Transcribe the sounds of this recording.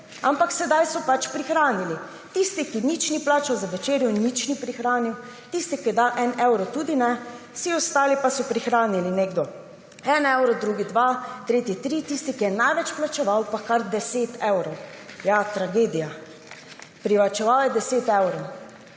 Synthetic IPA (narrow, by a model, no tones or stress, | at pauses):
ampaksɛd̪ajsɔpat͡ʃpɾixɾaːnili | t̪ist̪ikinit͡ʃniplaːt͡ʃawzaʋɛt͡ʃeːɾjɔnit͡ʃnipɾixɾaːniw | t̪ist̪ikid̪aʔɛnɛwɾɔt̪uːd̪inɛ | siɔst̪aːlipasɔpɾixɾaːnilineɡd̪ɔ | ɛnɛwɾɔd̪ɾuːɡid̪ʋat̪ɾeːt̪it̪ɾit̪ist̪ikijɛnajʋɛt͡ʃplat͡ʃɛʋawpakaɾd̪ɛseːt̪ɛwɾɔwjat̪ɾaɡeːd̪ija | pɾiʋat͡ʃɛʋawjɛd̪ɛseːt̪ɛwɾɔw